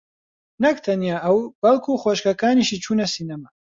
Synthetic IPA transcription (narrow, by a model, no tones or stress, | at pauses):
nɐkt̪ʰɐnijaːʔɐwb̥ɐlkʰuxwoʃkɐkaːniʃit͡ʃʰuːnɐsiːnɐmɐ